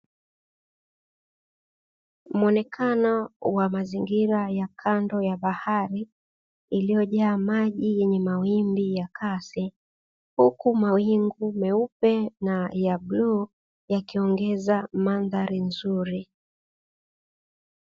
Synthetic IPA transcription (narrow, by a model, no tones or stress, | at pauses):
m̩ɔnɛkʰanɔwamaziŋɡiɾajakʰandɔjaɓahaɾi | ilijɔʄaːmaʄijɛɲɛmawimbijakʰasi | hukumawiŋɡumɛupɛnajablu | jakiɔŋɡɛzamanðaɾinzuɾi